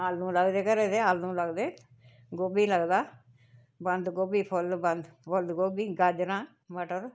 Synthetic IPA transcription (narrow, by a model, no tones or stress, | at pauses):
aːlnũːləɡd̪eːkəɾeːd̪eaːlnũːləɡd̪eː | ɡoːbiːləɡd̪aː | bənd̪ɡoːbiːpʰʊlbə̃nd̪bold̪ɡoːbiːɡaːd͡ʒɾãː | məʈəɾ